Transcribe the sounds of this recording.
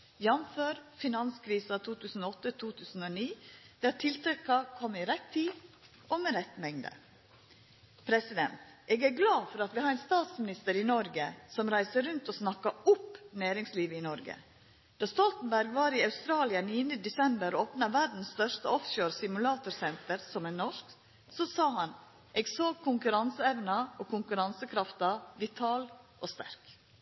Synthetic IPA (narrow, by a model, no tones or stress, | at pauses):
jɑnføːɾfɪnɑnskʰɾiːsɑt̪ʰuːt̪ʰʉːsn̩oɔt̪ːət̪ʰuːt̪ʰʉːsn̩oːniːd̪̥ɛæt̪ʰɪlt̪ʰɛkːɑkʰɔmːɪɾɛt̪ʰːiː | omɛɾɛt̪ːmɛŋd̪ə̰ | pʰɾɛsɪd̪ɛ̰nt̪ʔeːɡæːɾɡlɑːfɔɾɑt̪ʋɪhɑɾæɛnst̪ɑːt̪smɪnɪst̪əɾiːnɔɾɡəsɔmɾæɪsəɾʉnt̪oːsnɑkːɑʊpnæːɾɪŋsliːʋəɪnɔɾɡə̰ | d̪̥ɑːst̪ɔlt̪n̩bæɾɡʋɑːɾiɑʉst̪ɾɑːlɪɑniːənd̪əd̪ɛsɛmbəɾoːpnɑʋæɖn̩st̪œʂt̪əɔfʃoːɾsɪmʉlɑːt̪ʊɾsɛnt̪əɾsɔmænɔʂk | sɔsɑːɦɑn | ʔeːɡsoːɡkʰːʊŋkʉɾɑnsəɛʋnɑoːkʰʊŋkʉɾɑnsəkʰɾɑft̪ɑʋɪt̪ʰɑːlʔoːst̪æ̰ɾk